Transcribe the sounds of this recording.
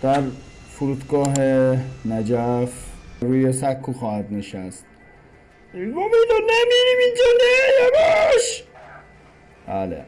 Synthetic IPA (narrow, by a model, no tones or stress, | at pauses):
d̪̥æɾfuɾuːd̪ɡɒːɦenæd͡ʒæfɾuːjesækʰːuːxɒːhæd̪neʃæst̪ | momenonemiɾimind͡ʒɒːnejæbeʃ | b̥æːlḛ